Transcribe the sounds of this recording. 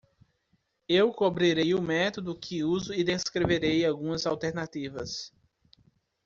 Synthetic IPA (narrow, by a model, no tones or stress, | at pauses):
ewkobɾiɾejʊmɛt̪od̪ʊkʰɪuzʊɪd̪eskɾeveɾejawɡũɐzawt̪eɾnat̪ivɐ̰s